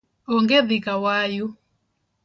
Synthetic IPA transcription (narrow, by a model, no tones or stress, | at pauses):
ɔŋɡeðikawaju